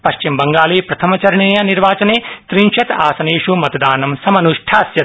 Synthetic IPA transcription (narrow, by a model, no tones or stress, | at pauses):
pɐʃt͡ʃimbɐŋɡaːleːpɾɐt̪ʰɐmɐt͡ʃɐɾɐɳiːjɐniɾʋaːt͡ʃɐneːt̪ɾinʃɐt̪aːsɐneːʂumɐt̪ɐd̪aːnɐmsɐmɐnuʂʈʰaːsjɐt̪̚